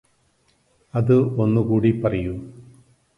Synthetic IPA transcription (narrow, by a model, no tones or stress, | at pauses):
ɐðɨo̞nːukuːɽipɐrɐju